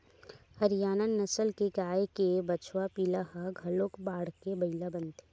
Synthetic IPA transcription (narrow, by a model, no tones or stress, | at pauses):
hɐɾɪjaːnanːɐsəlkekaːjkebɐt͡ʃwapiːlahaɡʱɐloːkbaːɽkebɐilabɐnt̪e